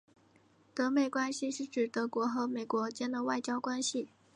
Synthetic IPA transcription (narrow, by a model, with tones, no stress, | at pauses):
t̪ɤ˧˥me˨˩ɪkwa˥nɕi˨˧ʂɻ̩˥˩ʈ͡ʂɻ̩˨˩t̪ɤ˧˥kwɔ˧˥xɤ˧˥me˨˩ɪkwɔ˧˥t͡ɕjɛ˥nd̪ə˨wa˥˩ɪt͡ɕjɑ˥ʊkwa˥nɕi˨